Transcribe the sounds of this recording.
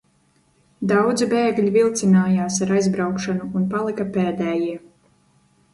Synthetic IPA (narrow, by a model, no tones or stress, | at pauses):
d̪awd̪zibeːɡʎʲivilˠt̪sinaːjaːsaɾajzbɾawkʃanuːnpalˠikapɛːd̪ɛːjiɛ